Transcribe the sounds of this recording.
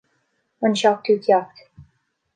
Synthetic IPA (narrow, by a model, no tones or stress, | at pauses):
wə̃nʃɑk̚tʰʉkʰjɑk̚t